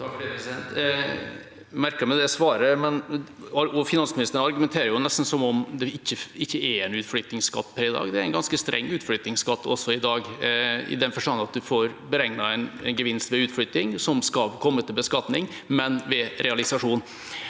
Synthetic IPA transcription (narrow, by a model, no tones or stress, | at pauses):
t̪ʰɑkfepɾɛsɪd̪ɛnt̪ | mæɾkəmɛd̪ɛsʋɑːɾəmɛn | ɔfɪnɑnsmɪnɪst̪ənɑɾɡʉmɛnt̪ʰeːɾəɾjʊnɛst̪n̩sɔmɔmd̪ɛɪçːəɪçːəɛɾɛnʉːt̪flʏt̪ɪŋskɑ̰t̪ːpʰɛɾɪd̪ɑ̰ːɡd̪ɛæɾɛnɡɑnskəst̪ɾʔɛ̰ŋːʉːt̪flʏt̪nɪŋskɑt̪ʰːɔsːɔɪd̪ɑːɡɪ̰d̪ɛnfɔʂʈɑnːɑt̪̚d̪ʉfoːɾbəɾɛŋnɑɛɪnnɡəʋɪnst̪ʋɛʉːt̪flʏt̪nɪŋsɔmskɑlkʰɔmːət̪ʰɪlbəskɑt̪nɪŋ | mɛnʋɛɾɛɑlɪsɑʂuːn